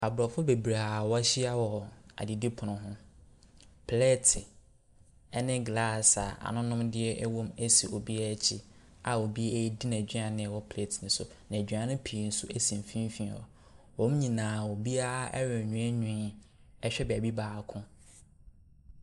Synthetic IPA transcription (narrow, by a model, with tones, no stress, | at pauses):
a˨bɾɔ˨fʊ˦be˨bɾa˨wa˦ɕi˦a˦wɔ˨a̰˨di˨di˦pʰʊ˨nʊ̃˨ɦʊ̃˦ | pʰle˦tʰɪ˨ | ɛ˦nɪ̃˦ɡla˦˨sa˨a̰˨nʊ̃˦nʊ̃˦mdɪ˦ɛ˦ʔɛ˦wõ˦mæ˦si˨o˨bi˦a˦˨t͡ɕʰi˦ | a˨o˨bi˦e˦i˦di˦nã˨d͡ʑᶣɪ˦ã˨nɪ̃˦˨wɔ˦pʰle˦˨tʰnɪ̃˨sʊ˨ | nã˨d͡ʑᶣɪ˨˦ã˨nʊ̃˦pʰi˨n̩˦sʊ˦æ˦sĩ˨m̩˨fĩ˦m˦fĩ˦˨ɔ̰˨ | wɔ̃˨˦m˦ɲĩ˨nãː˨o˨bi˦a˦ʔɛ̰˦ɥɔ˨ɲũ˨˦ɛ˦ɲᶣʊ̃˨˦ | ɛ˦ɕᶣɛ˦bɛ˨æ˨bi˦baː˨kʰʊ̃˦